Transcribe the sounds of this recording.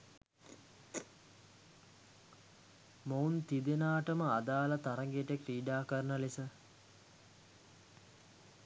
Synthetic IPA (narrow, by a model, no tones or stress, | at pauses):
mount̪id̪enaːʈəməad̪aːlət̪aɾɐŋɡeʈekriːɖaːkəɾənəlisə